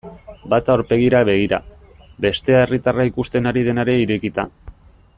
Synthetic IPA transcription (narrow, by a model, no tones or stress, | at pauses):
bat̪aoɾpe̞ɣ̞iɾaβe̞ɣ̞iɾa̰ | be̞st̪e̞aerit̪araikust̪e̞naɾið̞e̞naɾe̞iɾekit̪a